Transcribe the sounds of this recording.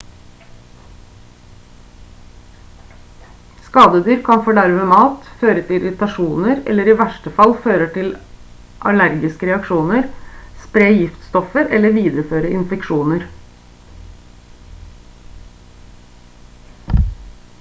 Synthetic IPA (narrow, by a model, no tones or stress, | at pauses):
skɑːd̪əd̪yːɾkʰɑnfɔːɖæɾmeːmɑːt̪føːɾət̪ʰɪɪɾɪt̪ɑʃuːnəɾɛ̰lːəɾiːʋæʂʈəfɑlføːɾəʈ̪ʰɪl | ʔɑ̰læɾɡɪskəɾɛɑkʃuːnəɾspɾeːjɪft̪st̪ɔfəɾʔɛlːəʋiːd̪ɾəføːɾəɪnfɛkʃuːnəɾ